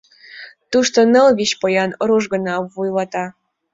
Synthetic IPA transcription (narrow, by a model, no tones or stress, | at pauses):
t̪uʃt̪onɤlβiɕpojɑnoɾuʒɡɤ̆nɑβujlɑt̪ɑ